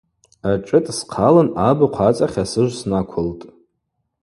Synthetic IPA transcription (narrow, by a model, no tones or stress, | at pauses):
aʈ͡ʂʼɨtʼsqʰalanabɨqʷʰat͡sʼaχʲasɨʒʷsnakʷʰʊltʼ